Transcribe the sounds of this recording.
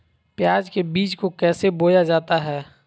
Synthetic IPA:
pjaːd͡ʒkebiːt͡ʃkokɛːseboːjad͡ʒaːt̪aɦɛː

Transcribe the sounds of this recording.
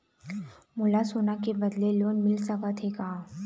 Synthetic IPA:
mʊlasoːnakebɐd̪leloːnmɪlsɐkat̪ʰekaa

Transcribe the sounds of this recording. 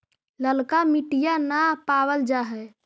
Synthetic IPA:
ləlkamiʈijanapawəld͡ʒaɦɛ

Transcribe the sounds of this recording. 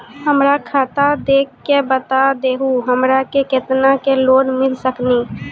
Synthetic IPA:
ɦəmɾakʰat̪ad̪eːkʰːebət̪ad̪eːɦuɦəmɾakeket̪nakeloːnmɪlsəkniː

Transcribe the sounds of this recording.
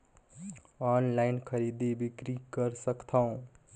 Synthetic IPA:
aːnlaɪnkʰəɾid̪ebikɾikəɾsəkt̪ʰaũ

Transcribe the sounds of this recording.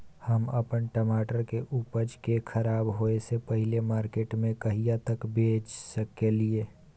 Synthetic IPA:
həmɐpənʈəmaːʈəɾkeʔuːpəɾd͡ʒkekʰəɾaːbɦoesepɐɦɪlemaːɾkeːʈmẽkɐɦijat̪əkbʱeːd͡ʒsəkːelieː

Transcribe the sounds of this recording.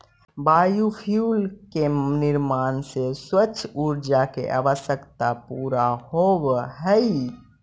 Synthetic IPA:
bajupʰijulkeniɾmanseswət͡ʃʰːuɾd͡ʒakḛʔa̰ʋəsjəkt̪apuɾahobɦəj

